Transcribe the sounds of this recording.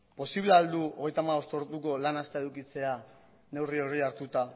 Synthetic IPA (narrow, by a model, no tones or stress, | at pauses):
po̞siβleald̪uo̞ɣe̞jt̪amaβo̞st̪oɾt̪uko̞lanast̪eeðukit͡se̞a | ne̞wrio̞ɣiaɾt̪ut̪a